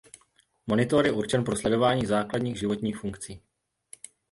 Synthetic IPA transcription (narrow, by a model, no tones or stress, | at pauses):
mo̞nɪt̪oɾjɛʔuɾt͡ʃɛnpɾo̞slɛdo̞vaːɲiːzaːkladɲiːɣʒɪvo̞t̪ɲiːxfuŋkt͡siː